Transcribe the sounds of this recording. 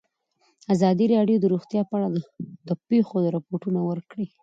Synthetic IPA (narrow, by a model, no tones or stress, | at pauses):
azɑd̪iɾɑɖjod̪əɾuɣt̪jɑpaɽald̪əpexod̪əɾɪpoʈunawəɾkɽi